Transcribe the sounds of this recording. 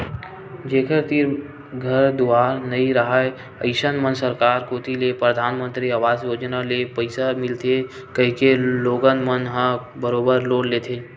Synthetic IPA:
d͡ʒeːkʰəɾt̪iɾ | ɡʱəɾd̪ʊaːɾnɐɦĩɾəɦae | əɪʃənmənsəɾkaːɾkoːt̪ilepɾəd̪ʱaːnmə̃nt̪ɾiəʋaːzjoːd͡ʒnalepəɪsamɪlt̪ʰe | kəɦĩkeloːɡənmənɦə̃bəɾoːbəɾloːnleːt̪ʰeː

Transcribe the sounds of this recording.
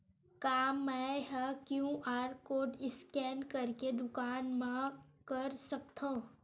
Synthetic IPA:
kaːmːɛɦɛkjũʔaːɾkoːɖɪskɛːnkɐɾked̪ʊkaːnmãkɐɾsɐk̚t̪ʰõː

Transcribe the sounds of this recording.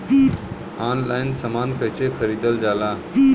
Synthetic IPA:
aːnlajnsəmaːnpəɦt͡ɕexʰəɾiːd̪əld͡zala

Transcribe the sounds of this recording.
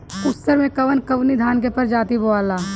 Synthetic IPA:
kʊsəɾmẽkɐʋənkɐʋnid̪ʱaːnk̬epɐɾd͡ʒaːt̪iboaːlaː

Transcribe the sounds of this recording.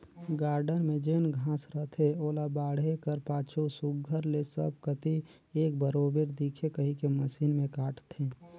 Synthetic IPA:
ɡaːɾɖənmẽd͡ʒenɡʱãːsɾət̪ʰeoːlabaːɽekəɾpaːt͡ʃʰosʊɡɡʱəɾlesəb̚kət̪i | eːk̚bəɾoːbeɾd̪ikʰekəɦikeməsiːnmẽkaːʈʰt̪ʰẽː

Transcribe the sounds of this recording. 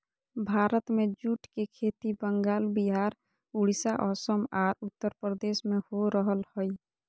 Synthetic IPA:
bʱaːɾət̪mẽd͡ʒuːʈkekʰeːt̪ibəŋɡaːlbiɦaːɾ | uɽisaʔɔːsəmaːɾʊt̪ːəɾpɾəd̪eːsmẽhoɾəɦəlhoi

